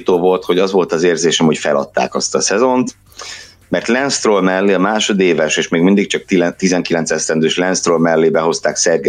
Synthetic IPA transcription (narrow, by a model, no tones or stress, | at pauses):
t̪oːvo̞lt̪ho̞ɟɒzʋo̞lt̪ɒzeːrzeːʃɛmho̞cfɛlɒ̰t̪ːa̰ːkɒst̪ɒsɛzo̞nt̪ | mɛrt̪lɛnst̪rolmɛlːeːɒmaːʃo̞d̪eːvɛʃeːʃmeːɡmind̪ik̚t͡ʃɒk̚t̪t̪izɛŋkilɛnt̪sɛst̪ɛnd̪øːʃlɛnst̪rolmɛlːeːbɛɦo̞st̪aːksɛrɡɛ